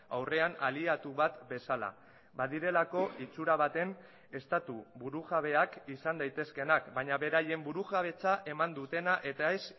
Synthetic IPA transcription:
awre̞analiat̪uβat̪be̞sala̰ | baðiɾe̞lako̞ʔit͡suɾaβ̞at̪e̞n | e̞st̪at̪uβuɾuɣaβe̞akisand̪ajt̪e̞ske̞nakbaɲaβe̞ɾaje̞mbuɾuɣaβ̞e̞t͡saʔe̞mand̪ut̪e̞naʔe̞t̪ae̞s

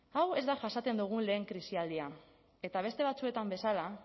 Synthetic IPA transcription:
awe̞zd̪aʝasat͡s̪e̞nd̪uɣ̞unle̞ːŋkɾisiald̪ia | e̞t̪aβ̞e̞st̪e̞β̞at͡sue̞t̪ambe̞sala

